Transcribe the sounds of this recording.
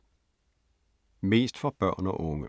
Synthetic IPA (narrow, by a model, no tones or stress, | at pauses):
miːst̪fɔb̥œ̰ːʁno̰ːʔʊŋə̰